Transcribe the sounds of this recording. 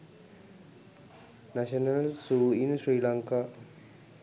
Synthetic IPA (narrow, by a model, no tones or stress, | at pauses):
naɕɐnɐlsuːinsriːlaːŋka